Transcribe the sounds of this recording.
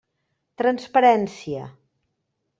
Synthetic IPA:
t̪ɾənspəɾɛnsiə̰

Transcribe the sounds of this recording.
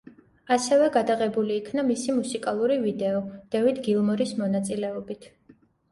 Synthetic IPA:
asɛvɛɡad̪aʁɛbuliːkʰnamisimusikʼalˠuɾivid̪ɛɔd̪̥ɛvid̪ɡilˠmɔɾismɔnat̪sʼilɛɔbit̪ʰ

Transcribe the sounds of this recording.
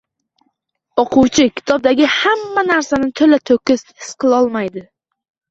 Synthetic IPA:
oqʰʊwt͡ʃʰɪkʲʰɪ̥t̪ʰɒb̚d̪aɡʲɪhamːanaɾsanɪt̪ʰolat̪ʰokʲɪsɪ̥sqɨlˠɒlˠmajd̪ɪ

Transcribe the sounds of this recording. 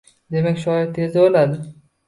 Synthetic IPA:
d̪e̞makʲʃɒjɪɾt̪ʰezabolad̪ɪ

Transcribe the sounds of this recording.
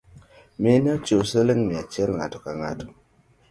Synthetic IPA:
minet͡ʃosəliŋmiat͡ʃelŋatukaŋa̰tu̥

